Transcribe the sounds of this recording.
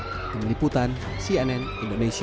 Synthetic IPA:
k̪əmliput̪an | siɛnɛn | indones

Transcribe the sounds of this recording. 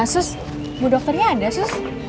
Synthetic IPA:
sʊs | budɔk̚t̪ərɲaːdasʊs

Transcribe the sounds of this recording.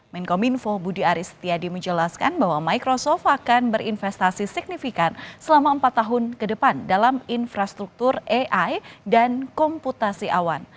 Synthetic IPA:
mɛnkominfobudiaɾisə̥t̪iadiməɲd͡ʒəlaska̰nbaɦwamajkɾosɔft̪akanbəɾinfɛst̪asisik̚nifikansəlamaəmpat̪ːaɦʊnkədəpandalaminfɾast̪ɾuk̚t̪ʊreʔajdankɔmput̪asiʔawan

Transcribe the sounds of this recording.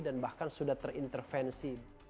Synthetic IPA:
danbahkansudat̪ərint̪ərfɛnsi

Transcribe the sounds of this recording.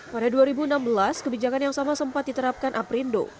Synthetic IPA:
padaduaɾibuənambəlaskəbid͡ʒakanjaŋsamasəmpat̪̚dit̪əɾap̚kanʔapɾindo̰

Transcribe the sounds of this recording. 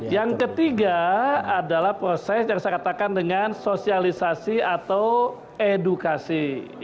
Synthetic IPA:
jaŋkət̪iɡaadalahpɾosɛsjaŋsakat̪akandəŋansosialisasiat̪aw | edukasi

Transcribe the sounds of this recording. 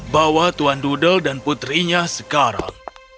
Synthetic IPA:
bawat̪uandudəldanput̪ɾiɲasəkaɾa̰ŋ

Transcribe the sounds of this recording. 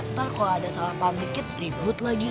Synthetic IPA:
t̪arkoadasalapamlikɪt̪̚ribʊt̪laɡi

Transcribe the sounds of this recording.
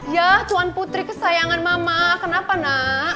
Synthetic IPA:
jat̪uanput̪ɾikəsajaŋanmamakənapana

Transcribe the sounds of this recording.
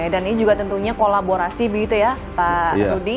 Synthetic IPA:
daninid͡ʒuɡat̪ənt̪uɲakolaboɾasibəɡit̪uja | paɾudi

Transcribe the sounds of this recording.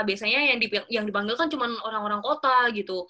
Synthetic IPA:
biasaɲajaŋdiŋjaŋdipaŋɡilkant͡ʃumanoɾaŋoɾaŋkot̪aɡit̪u

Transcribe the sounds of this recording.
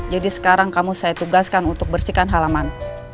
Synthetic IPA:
d͡ʒadisə̥kaɾaŋkamusajat̪uɡaskanunt̪ʊk̚bərsikanɦalaman

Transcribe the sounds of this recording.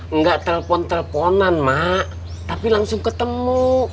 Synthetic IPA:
ŋɡaʔt̪əlpɔnt̪əlpɔnanmaʔ | t̪apilaŋsʊŋkət̪əmu

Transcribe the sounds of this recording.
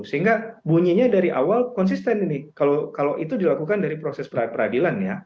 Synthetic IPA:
səɦiŋɡabuɲiɲadaɾiʔa̰walkɔns̬ist̪ɛninikalokalowʔit̪udilakukandaɾipɾosɛspərapərɾadilanja

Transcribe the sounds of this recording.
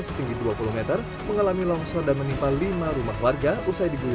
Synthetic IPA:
sə̥t̪iŋɡiduapulumɛt̪ər | məŋalamilɔŋsɔdanmənimpalimaɾumahwarɡaʔusajdibu

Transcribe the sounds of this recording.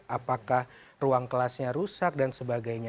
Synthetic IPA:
apakah | ruaŋkəlasɲaɾusak̚dansəbaɡajɲa

